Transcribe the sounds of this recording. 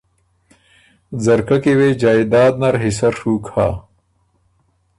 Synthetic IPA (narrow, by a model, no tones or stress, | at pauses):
zɐɾkɐkewed͡ʑaːid̪aːd̪̚nɐɾɦisɐɾʂukʰa̰ː